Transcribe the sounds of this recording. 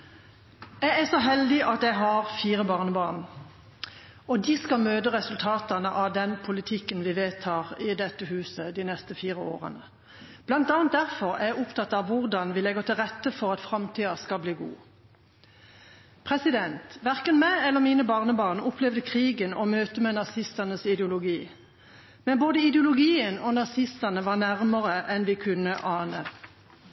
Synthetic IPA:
jæɪæsɔɦɛld̪ɪʔɑt̪jæɪɦɑʁfiːʁəbɑːʁnəbɑːʁn | ɔd̪ɪskɑmøːd̪əʁɛsʉlt̪ʰɑːt̪ɑnəʔɑʋd̪ɛnpʰʊlɪt̪ʰɪkːənʋɪʋeːt̪ʰɑːʁɪd̪ɛt̪ːəhʉːsəd̪inɛst̪əfiːʁəo̰ːʁə̰nə | b̥lɑnt̪ɑːnt̪̚d̪æʁfɔʁæ̰æʊpt̪ʰɑt̪ːɑʋʋʊʁd̪ɑnʋɪlɛɡəʁt̪ʰɪlʁɛt̪ːəfɔʁɑt̪fʁɑmt̪ʰiːɑskɑbliːɡṵː | pʰʁɛsɪd̪ɛnt̪ʋæʁkənmæɪɛlːəmiːnəbɑʁnəbɑːʁnəʊpʰlɛʋd̪əkʰʁiːɡənɔmøːt̪əmɛnɑsɪst̪ɑnəsɪd̪ɛʊlʊɡiː | mɛnboːd̪əɪd̪ɛʊlʊɡiːənɔnɑsɪst̪ɑnəʋɑːʁnæʁməʁəʔɛnʋɪkʰʉnːəʔɑːnə

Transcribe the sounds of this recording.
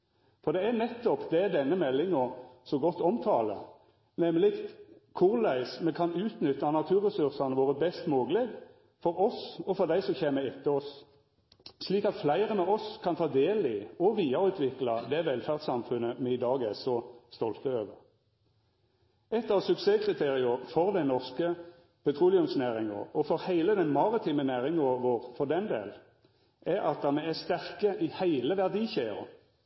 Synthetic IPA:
fɔʁd̪ɛænɛt̪ːɔpd̪ɛæd̪ɛnːəmɛlːɪŋɔsɔɡɔt̪ːɔmt̪ʰɑːlə̰ | nɛməlɪkt̪kʰʊʁlæɪsmɛkʰɑnʉːt̪nʏt̪ːɑnɑt̪ʰʉːʁɛsʉʁsɑnəʋoːʁəbɛst̪moːɡəlɛɡ | fɔɾɔsɔfɔʁd̪æɪsɔçeːməɪt̪ːəɔs | sliːkɑt̪flæɪʁəmɛɔskʰɑnt̪ʰɑːd̪eːlɪɔʋiːɑʁʉːt̪ʰʋɪklɑd̪ɛʋɛlfæʁd̪sɑmfʉnːəmɛɪd̪ɑːɡɛsɔst̪ɔlt̪əøːʋəʁ | ɛt̪ːɑʋsʉkseːkʰʁɪt̪ʰeːʁɪʊfɔʁd̪æɪnɔʁskə | pʰɛt̪ʰʁuːlɪʉmsnæːʁɪŋə̰ʁɔfɔʁhæɪləd̪ɛnmɑʁɪt̪ʰiːmənæːʁɪŋəʋoːʁfɔʁd̪ɛnd̪ḛːl | ʔæɾɑt̪̚d̪ɑʁmɛæst̪æʁkəʔɪhæɪləʋæʁd̪iːçæɪə̰ʁ̰

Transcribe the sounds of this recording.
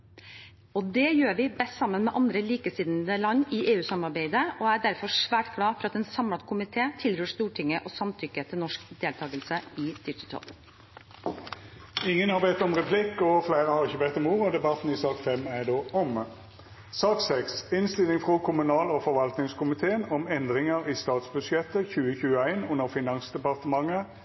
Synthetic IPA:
ɔd̪ɛːjøːɾʋɪbɛst̪sɑmːənmɛʔɑnd̪ɾəliːkəsiːd̪nd̪əlɑnːɪʔeːʉːsɑmɑɾbeɪd̪əɔːæɖæɾfɔʂʋæːʈɡ̥lɑːfɔɾɑt̪ɛnsɑmɑt̪kʰʊmɪt̪ʰeːt̪ʰɪlɾøːʂt̪uːʈʰɪŋːəʔɔsɑmt̪ʰʏkət̪ʰɪlnɔʂkd̪eːlt̪ʰɑːɡəlsəɪd̪ʏt̪ət̪ʰɑ̰l | ɪŋːənhɑʁʋɛt̪ːɔmʁɛpʰlɪkːɔflæɪʁəhɑʁɪçəbɛt̪ːɔmuːʁəɔd̪ɛbɑt̪n̩ɪsɑːkfɛmæɖoːɔm | sɑːksɛksɪnst̪ɪlɪŋfʁɔkʰʊmʉnɑːlɔfɔʁʋɑlt̪nɪŋskʰʊmɪt̪ʰeːənɔmɛnd̪ʁɪŋəʁiːst̪ɑːt̪sbʉsjɛt̪ːəçʉːəçʉːəæɪnʊnːəʁfɪnɑŋsd̪ɛpɑʁt̪əmɑŋːə

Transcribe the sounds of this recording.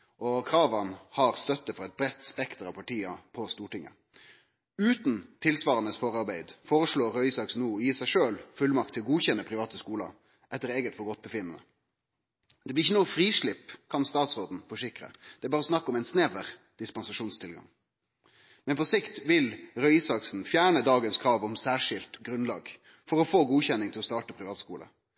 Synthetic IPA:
ʔɔkʰɾɑːʋɑnhɑʁst̪œt̪ːəfɔʁɛɪt̪̚bɾɛt̪ːspɛkt̪əɾɑʋpɑʈʰiːəpʰɔst̪uːʈɪŋə̰ | ʉːt̪nt̪ʰɪlsʋɑːɾənəsfoːʁɑʁbæɪd̪foːʁəʂɭoːɾːœʏsɑksnuːɔjiːsæɪʂøːlfʉlmɑk̚t̪ʰːɪlɔɡuːçɛnːəpʰɾɪʋɑːt̪əskuːlɑ̰ | ʔɛt̪ːəɾeːɡət̪fɔɾɡɔt̪̚ːbəfɪnːənə̰ | d̪̥ɛblɪɪçːənuːəfɾiːʂɭɪpkʰɑnst̪ɑːt̪sʁoːd̪n̩fɔʂɪkɾə̰d̪̥ɛæbɑːʁəɔsnɑkːəɔmæɪnsneʋəɾd̪̥ɪspɑnsɑʂuːnst̪ʰɪlɡɑ̰ŋ | mɛnpɔsɪkt̪ʋɪlʁœʏɪsɑksn̩fjæːɳəd̪ɑːɡənskʰɾɑːʋɔmsæːʂɪlt̪ɡɾʉnlɑ̰ːɡ | fɔʁɔfoːɡuːçɛnːɪŋt̪ʰɪlɔst̪ɑːʈəpʰɾɪʋɑːt̪skuːlə̰

